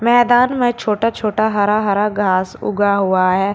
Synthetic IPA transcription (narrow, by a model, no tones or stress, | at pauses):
mɛːd̪aːnmẽt͡ʃʰoːʈat͡ʃʰoːʈaɦɐɾaɦɐɾaɡʱaːsʊ̰ɡaɦʊaɦɛː